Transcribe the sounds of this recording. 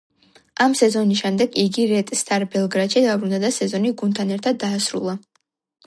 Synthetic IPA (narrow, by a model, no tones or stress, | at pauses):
ʔamsɛzɔnis̬ʃɛmd̪ɛɡiɡiɾɛt̪ʼst̪ʰaɾbɛlˠɡɾat̪ʃid̪abɾund̪ad̪asɛzɔniɡunt̪ʰanɛɾt̪ʰad̪ːaːsɾṵlˠa